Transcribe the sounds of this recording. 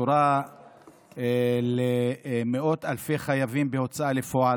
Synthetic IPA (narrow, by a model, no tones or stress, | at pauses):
uɾa | lemeʔo̞t̪alfeχajavimbeo̞t͡saalefoa